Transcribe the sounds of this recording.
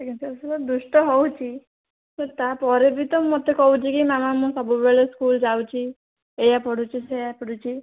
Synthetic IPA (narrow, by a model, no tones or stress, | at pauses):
ekʰisɛsɔlɔd̪usʈɔɦowt͡ʃʰi | set̪apɔɾebit̪ɔmot̪ekɔwt͡ʃʰikimamamũsɔbubeleskuld͡ʒawt͡ʃʰi | ejapɔɽ̤ʱut͡ʃʰisejapɔɽut͡ʃʰi